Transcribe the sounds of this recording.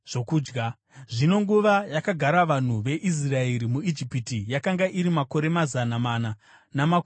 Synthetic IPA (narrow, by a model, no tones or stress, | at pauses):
ʐ̥o̞kuːd͡ʒɡa | ʐino̞ŋɡuʋajakaɡʱaɾaʋan̤uʋe̞ʔis̬rae̞ɾimuid͡ʒipitijakaŋɡaʔiɾimako̞ɾe̞mazanamaːna | namak